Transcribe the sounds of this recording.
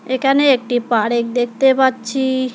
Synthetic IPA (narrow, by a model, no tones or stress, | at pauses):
ekʰaneek̚ʈipaɽek̚d̪ek̚ʰt̪epatːɕʰi